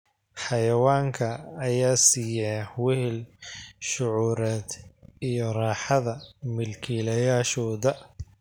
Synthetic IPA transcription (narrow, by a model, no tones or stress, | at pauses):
ħɑjɐwaːŋkʰɐːjaːsiːjɛwɪhɪlʃʊʕuːɾɛːd̪ijɔraːħɑðɐmɪlkʰiːlɐjaːʃɔːðɐ